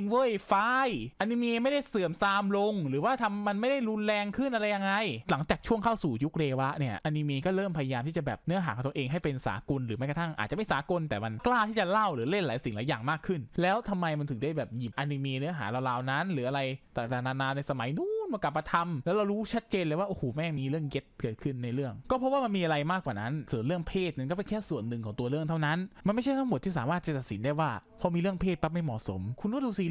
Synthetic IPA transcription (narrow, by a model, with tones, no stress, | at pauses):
ŋwɤ˥˩˨jfaː˧˥jʔa˧ni˧meː˧ma˥˩jda˥˩jsɯ˨˩əmsaː˧mlo˧ŋɾɯː˩˦waː˥˩t̪ʰa˧mːa˧nma˥˩jda˥˩jɾu˧nlɛː˧ŋkʰɯ˥˩nʔa˧ɾa˧jːa˧ŋːa˧jla˩˦ŋt͡ɕaː˨˩k̚t͡ɕʰu˥˩əŋkʰa˥˩wsuː˨˩ju˦˥k̚ɾeː˧wa˦˥ʔni˥˩ɐʔa˧ni˧meː˧kɔː˥˩ɾɤː˥˩mpʰa˧ja˧jaː˧mt̪iː˥˩t͡ɕa˨˩bɛː˨˩p̚nɯ˦˥ɐɦaː˦kʰɔ˨˩˦t̪ːʔeː˧ŋɦa˥˩jpe˧nsa̰ː˩˦ko˧nɾɯː˩˦ma˥˩jka˨˧t̪ʰa˥˩ŋʔa̰ː˨˩t̪̚a˨˩ma˥˩jsaː˨˩˦ko˧nt̪ɛː˨˩ma˧nklaː˥˩t̪ʰiː˥˩t͡ɕa˨˩la˥˩wɾɯː˨˩˦le˥˩nlaː˨˦jsi˨˩ŋlaː˨˦jaː˨˩ŋmaː˥˩kʰɯ˥˩nlɛː˦˥wt̪ʰa˧mːa˧jma˧nt̪ʰɯ˨˩˦ŋda˥˩jbɛː˨˩p̚ji˨˩p̚ʔa˧ni˧meː˧nɯ˦˥ɐɦa̰ː˩˦ɾa˧wlaː˧wna˦˥nɾɯː˩˦ʔa˧ɾa˧jt̪a˨˩t̪aː˨˩naː˧naː˧na˧jsa˧ma˩˦jnuː˦˥nma˧ka˨˩pːa˧t̪ʰa˧mlɛː˦˥wɾa˧wɾuː˦˥t͡ɕʰa˦˥t̪̚t͡ɕeː˧nlaː˧˦waː˥ʔoː˧˩hoː˨˩mɛː˥˩miː˧ɾɯ˥˩əŋɡe˦˥t̪̚kɤː˨˩t̪̚kʰɯ˥˩nːa˧jɾɯ˥˩əŋkɔː˥˩ɔ˦˥p̚waː˥˩ma˧miː˧ʔa˧ɾa˧jmaː˥˩kwaː˨˩na˦˥nsɤː˩˦nɾɯ˥˩əŋpʰeː˥˩t̪̚ma˧nkɔː˥˩pe˧nkʰɛː˥˩su˨˩ənːɯ˨˩ŋkʰɔː˩˦ŋt̪u˧ɐɾɯ˥˩əŋt̪ʰa˥˩wna˦˥nma˧nma˥˩jt͡ɕʰa˥˩jt̪ʰa˥ŋm˨˩t̪ʰːiː˥˩aː˨˦maː˥˩t͡ɕa˨˩t̪t̪̚si˩˦ndaː˥˩jwaː˥˩pʰɔ˧˥miː˧ɾɯ˥˩əŋpʰeː˥˩t̪̚pa˦˥˩ma˥˩jmɔ̰˨˩so˨˩˦mkʰu˧nkːduː˧siː˧